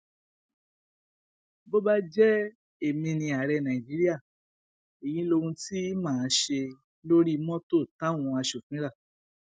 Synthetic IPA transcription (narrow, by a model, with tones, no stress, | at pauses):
bo˦ba˦d͡ʒɛ˦ | e˦˨mĩ˧nĩ˧a˨ɾɛ˧nã˨i˨d͡ʒi˨˦ɾi˦a˦˨ | e˨j̃ĩ˧˦lo˧wũ˧ti˦mãː˦˨˦ʃe˧ | lo˦ɾi˦mɔ̃˦to˦˨tã˦w̃ũ˧a˧ʃo˨fĩ˨˦ɾa˦˨